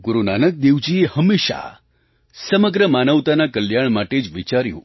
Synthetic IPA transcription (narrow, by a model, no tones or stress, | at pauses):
ɡuɾunanək̚d̪eʋd͡ʒiehəmeʃa̰ | səməɡɾəmanəʋt̪anakəljaɳ̃maʈed͡ʒʋit͡ʃaɾjṵ̃